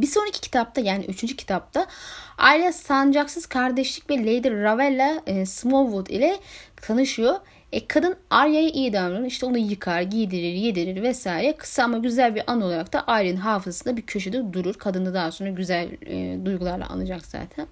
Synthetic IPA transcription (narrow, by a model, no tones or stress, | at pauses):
biso̞nɾacʰi̥cʰi̥t̪ʰap̚t̪ʰajaːnḭʔyt͡ʃʰynd͡ʒycʰi̥t̪ʰap̚t̪ʰaa̰jɾeasand͡ʒaksɯz̥kʰaɾd̪ɛʃlʲic̚vɛlʲejd̪iɾːavɛlʲːasmonvut̪ḭlʲɛt̪ʰanɯʃɯjo | ɛkʰad̪ɯnaɾjajaʔijd̪anˠuɾuniʃt̪ʰɛonujɯkʰaɾɟid̪iɾiɾjed̪iɾiɾvɛsaːjiɾɛkʰɯ̥saamaɟyzælʲbiɾʔano̞lˠaɾakt̪aʔajɾɯnɦaːfɯzasɯnd̪abicʰø̞ʃyd̪yd̪uɾuɾkʰad̪ɯnd̪ad̪aɦso̞nɾaɟyzæl̰ʲːd̪ujɡulˠaɾlˠa̰ʔa̰nɯd͡ʒakz̥a̰ːt̪ʰæn